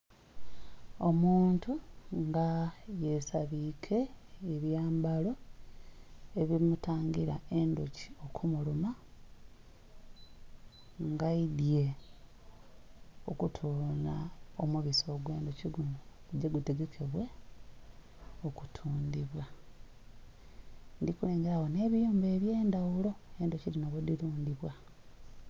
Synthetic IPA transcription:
o̞muːntuŋɡaje̞saβikʰe̞ːβjaːmbalo̞ | e̞βiimutaːŋɡiɾa̰e̞ndoci̥o̞kʰumuluma | ŋɡaidje̞ | okutʰunaomuβiso̞ːɡwe̞ːndociɡuno | eɟeɡuteɡe̞kʰeβwe̞ | oku̥tʰuːndiβwa | ndikule̞ːŋɡeɾaho̞ne̞ːβijuːmbe̞ːβje̞ːndawulo̞e̞ndociɾinaβodiɾuːndiβwa

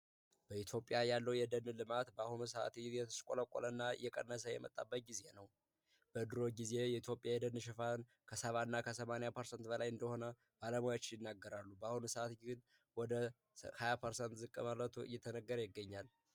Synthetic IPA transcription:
b̥əit̪ʰjo̞pʼːjajalːəwjɛd̪ənːɨlɨmat̪bəahunus̬əʔa̰t̪jɛt̪ʰəskʼo̰ləkʼːolənːaɨ̰jːɛkʼə̰nːəs̬əjɛ̰mə̰t̪ʼːa̰bːət̪̚ɡize̞nəw | b̥əd̪ɨɾo̞ɡize̞jɛit̪ʰjo̞pʼjajɛd̪ənːʃ̬ɛfan | kʰəsəβanːakʰəsəmanjapʰəɾsənt̪bəlajɨnd̪əho̞nə | b̥aləmajat͡ʃːɪnjɪnːaɡːəɾalːubəahunusəat̪ɡɨn | wɔd̪ə | hajapʰəɾsənt̪zɨkʼːəməɾət̪ʰuɨ̰jːɛt̪ʰənəɡːəɾjɪɡːəɲːal

